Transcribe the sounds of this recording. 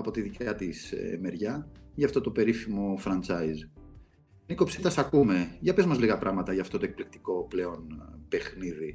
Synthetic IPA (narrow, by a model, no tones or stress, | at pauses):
ɐpo̞t̪iðicɐt̪isme̞ɾʝɐʝɐft̪o̞t̪o̞pe̞ɾifimo̞fɾɐnt͡sɐiz | niko̞psit̪ɐsɐkume̞ʝɐpezmɐzliɣɐpɾʔɐɣmɐt̪ɐʝɐːft̪o̞t̪oe̞k̚plik̚t̪i̥ko̞ple̞o̞npe̞xniði